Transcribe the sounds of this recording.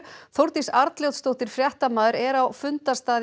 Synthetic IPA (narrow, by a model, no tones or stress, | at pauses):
θowɾt̪isaɾt̪ljowt̪st̪owht̪ɪɾ̥fɾjɛht̪amaːðʏɾɛɾawfʏnt̪ast̪aːð